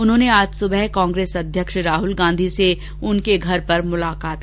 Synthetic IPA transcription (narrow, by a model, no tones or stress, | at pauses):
ʊnɦõːneaːd͡ʒsʊbɛɦkãːŋɡɾeːsɐd̪ʱjəkʃɾaːɦʊlɡãːnd̪ʱise | ʊnkeɡʱɐɾpɐɾmʊlaːkaːt̪̚